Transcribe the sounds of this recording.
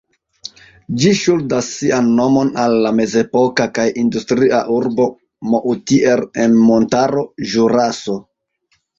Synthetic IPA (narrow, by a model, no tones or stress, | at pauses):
d͡ʒiʃuldasːianːo̞mo̞nalːame̞ze̞po̞kakajindustɾiaʔuɾbo̞ | mo̞ʔutiʔelenmo̞ntaɾo̞ʒuɾaso̞